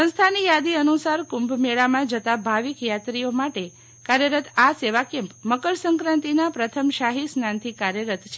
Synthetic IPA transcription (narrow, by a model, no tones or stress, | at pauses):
ə̃nst̪ʰanijad̪iənusaɾkumbʱmeɭamãd͡ʒət̪abʱaʋikjat̪ɾijomaʈe | kaɾjəɾət̪aseʋakɛ̃mpməkəɾsəŋkɾãnt̪inapɾət̪ʰəmʃaɦisnant̪ʰikaɾjəɾət̪t͡ʃʰe